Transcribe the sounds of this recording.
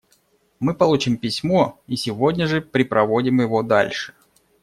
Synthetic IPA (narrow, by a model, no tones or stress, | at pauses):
mɨpɐlˠut͡ɕɪmpʲɪsʲmoisʲɪvodʲnʲəʐɨpɾʲɪpɾɐvo̞dʲɪmjɪvo̞d̪a̰lʲʂɨ̥